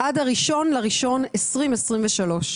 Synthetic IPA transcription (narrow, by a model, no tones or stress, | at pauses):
ʔadaʁiʃo̞nlaʁiʃo̞nesʁimesʁimveʃalo̞ʃ